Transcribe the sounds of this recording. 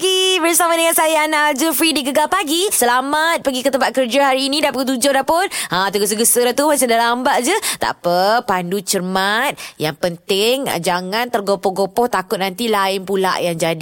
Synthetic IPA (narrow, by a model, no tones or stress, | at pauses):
ɡibərsamadəŋansajanad͡ʒəfɾidiɡəɡalpaɡisəlamat̪̚pəɡikət̪əmpat̪̚kərd͡ʒaɦaɾiːnĩdapəɡut̪̬ud͡ʒʊhdapʊnat̪əɡəs̬əɡəsəlat̪uɦansədalambaʔd͡ʒət̪a̰ʔpəpandut͡ʃərmat̪̚jaŋpənt̪ɪŋ̰d͡ʒaŋãnt̪ərɡopɔɦɡopɔht̪akʊt̪̚nant̪ilaɪnpula̰ʔjaŋd͡ʒadi